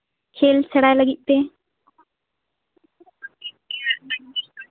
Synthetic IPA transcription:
kʰeːlt͡ʃʰəɽajləɡit̪̚ˀp̪eː

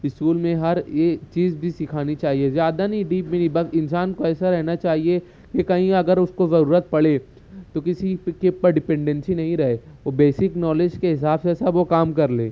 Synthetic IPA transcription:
ɪskuːlmẽɦɐɾjet͡ʃiːzbʱisɪkʰaːnit͡ʃaːɦiezjaːd̪anɐɦĩɖiːpmɪnibɐsɪnsaːnkoɛːsaɾɛɦnat͡ʃaːɦie | kekɐɦĩɐɡəɾʊskozɐɾuːɾət̪̚pɐɭeː | t̪okɪsikepɐɾɖɪpɛ̃ɳɖɛ̃nsinɐɦĩɾɐɦeːʋobeːsɪknɔːled͡ʒkeɦɪsaːbseɛːsabʋokaːmkɐɾleː

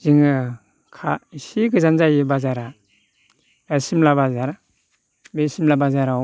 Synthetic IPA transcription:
ziŋɯ | kʰaisiɡɯzanzajibazaɾa | asimlabazaɾa | besimlabazaɾa

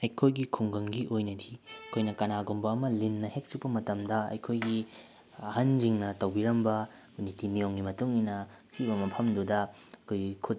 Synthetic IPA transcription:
ɐjkʰojɡikʰuŋɡɐŋɡiʔojnɐdiɐkʰojnɐkɐnaɡumbɐːmɐlinːɐhek̚t͡ʃuk̚pɐmɐtɐmdɐɐ̰jkʰojɡi | ɐhɐnd͡ʒiŋnɐtɐwbiɾɐmbɐ | nitimijoŋɡimɐtuŋinɐ | t͡ʃiβɐmɐpʰɐmdudɐ | ɐkʰojɡikʰut̚

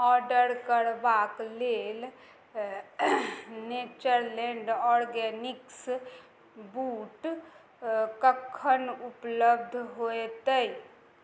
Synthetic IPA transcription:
ɔɾɖəɾkəɾbaklel | net͡ʃəɾlɛ̃ɳɖɔɾɡɛniks | buʈ | kəkʰːənupləbd̪ʱɦoet̪əj

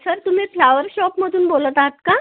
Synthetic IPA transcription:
səɾt̪um̤iːflaʋəɾɕɔpməd̪ʱuːnbolət̪aɦt̪ka

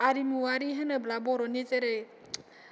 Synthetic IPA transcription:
aɾimuaɾiɦənablabɔɾɔnit͡ʃeɾe

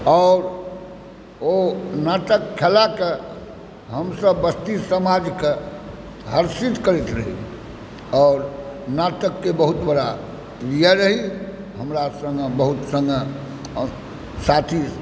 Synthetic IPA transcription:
ɔʊɾ | onaʈ̪əkkʰelake | ɦəmsəbːəst̪isəmad͡ʒke | ɦəɾsit̪kəɾɛt̪ɾəɦḭ | ɔʊɾnat̪əkːebəɦut̪bəɽa | pɾijaɾəɦi | ɦəmɾasə̃ŋɡbəɦut̪sə̃ŋɡ | sat̪ʰi

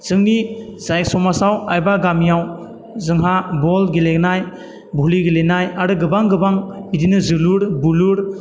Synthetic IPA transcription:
zɯŋnizajk̚sɔmasawajbaɡamjaw | zɯŋɦabɔlɡilek̚naj | buliɡilenajaɾɯɡɯbaŋɡɯbaŋbidinɯzɯluɾbuluɾ

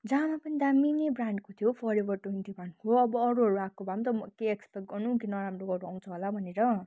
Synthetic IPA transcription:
d͡zãːmapʌnid̪aminebraɳɖkot̪ʰijopʰʌɾebʌrʈont̪ibʱankoʌbʌːɾuɦʌɾuakobʱamt̪ʌmʌkeekspeʈ̚ɡʌrnuk̬inʌɾamroɡʌɾuaw̃t͡sʰʌɦolabʱʌneɾʌ

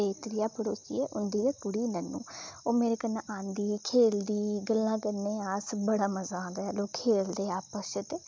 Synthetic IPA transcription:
eːt̪ɾɪjaːpəɽoːkḭːɛːʔʊnd̪iːɡeːpʊɽiːnənṵːoːmeːɾeːkənːãːʔãːnd̪iːkʰeːld̪iːɡəlːãːkənːeːaːsbəɽaːməzaːd̪aːloːkʰeːld̪eːaːpəsət̪eː

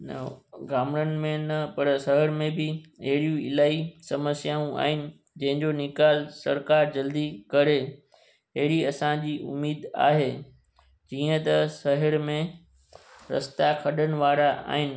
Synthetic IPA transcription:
nɐ̰ɡaːmɽənɪ̆mẽnɐpɐɾsɐɦəɾmẽbɪɐɦɪɽijũɪ̰laːisɐməsjaːũa̰ːɦɪnɪ̆ | d͡ʑɐ̃ɦɪ̃ɲd͡ʑonɪkaːlsɐɾkaːɾd͡ʑɐld̪ikɐɾe | ɐɦɪɽiɐsãd͡ʑiːʊ̰mːiːd̪a̰ːɦeː | d͡ʑiːə̃t̪ɐsɐɦəɾmẽ | ɾɐ̰st̪akʰɐɗənɪ̆ʋaːɾaʔa̰ːɦɪnɪ̆

